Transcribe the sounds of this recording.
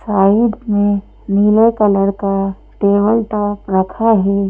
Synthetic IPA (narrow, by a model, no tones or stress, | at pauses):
saːɪɖmẽ | niːlekələɾka | ʈeːbəlʈaːpɾəkʰaɦɛː